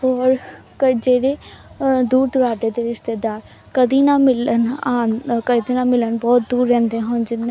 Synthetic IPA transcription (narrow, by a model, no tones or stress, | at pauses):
ɔːɾ | kəd͡ʒeːɽeːd̪uːɾd̪ʊɾaːɖeːd̪eːɾɪʃt̪eːd̪aːɾ | kəd̪iːnaːmɪlənaːnkəd̪eːnaːmɪlənbɔːt̪̚d̪uːɾːɛ̃ːnd̪eːɦoːnd͡ʒɪnːe